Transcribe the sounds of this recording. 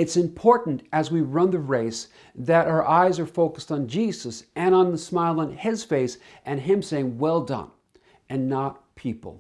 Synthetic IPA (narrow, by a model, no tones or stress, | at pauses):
ɨtsɨ̃mpʰɔɹʔn̩tɨzwiɹʌ̃nðɨɹeɪs | ðɨɾʔaʊə˞ʔaɪzə˞foʊkəstn̩d͡ʒizəsɨ̃ɾ̃ə̃nðəsmaɪlˠə̃nɪz̥feɪs | ʔɨ̃nɪ̃mseɪɪ̃ŋwɛlˠdʌ̰̃n | ʔɨ̃nːət̚pʰipl̩ˠ